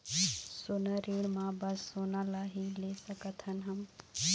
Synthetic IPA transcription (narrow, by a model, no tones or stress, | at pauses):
sonəɾeɽmãbəsːonalaɦilesəkət̪ɦənɦəm